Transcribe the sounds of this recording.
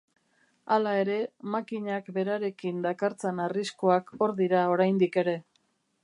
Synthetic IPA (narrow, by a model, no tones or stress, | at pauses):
alae̞ɾe̞makiɲakbe̞ɾaɾe̞kind̪akaɾt͡senariskoako̞ɾðiɾao̞ɾajnd̪ike̞ɾe̞